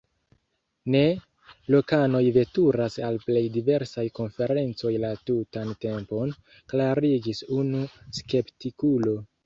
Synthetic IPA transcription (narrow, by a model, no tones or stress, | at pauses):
ne̞ | lo̞kano̞jve̞tuɾasalple̞jdive̞ɾsajko̞nfe̞ɾe̞nt͡so̞jlatutante̞mpo̞n | klaɾid͡ʒisunuske̞ptikulo̞